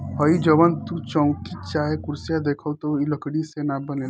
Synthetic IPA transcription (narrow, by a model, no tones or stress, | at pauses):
ɦəid͡ʒəʋənt̪ut͡ʃɔ̃ʊ̃t̪it͡ʃaːɦekʊɾsijad̪eːkʰət̪oiləkɽisenabənel